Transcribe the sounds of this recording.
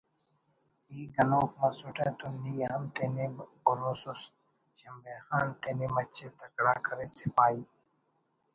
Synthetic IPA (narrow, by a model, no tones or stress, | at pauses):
iːɡɐnoːkmɐsuʈeːt̪unijɐɐmt̪enib | ʊɾoːsus | t͡ɕɐmbeːxaːnt̪enimɐt͡ɕʰet̪ɐkɽaːkʰɐɾesɪpaːiː